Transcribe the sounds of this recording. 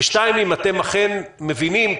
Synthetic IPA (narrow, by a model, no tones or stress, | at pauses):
ʃtaimimat̪emaχenmevinim